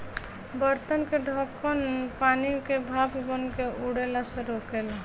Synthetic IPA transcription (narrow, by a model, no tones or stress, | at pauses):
bəɾt̪ənkeɖʱɔkənpanikebʱabbənkeuɽelasẽɾokel